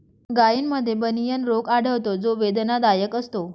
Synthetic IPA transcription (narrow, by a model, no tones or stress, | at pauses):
ɡajiːnməd̪ʱːjebənijənɾokaɽ̤əʋt̪od͡zoʋed̪nad̪ajəkəst̪o